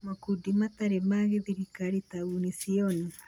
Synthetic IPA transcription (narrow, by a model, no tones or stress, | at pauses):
makudimat̪aɾemaɣeðiɾikaɾitaunisiɔni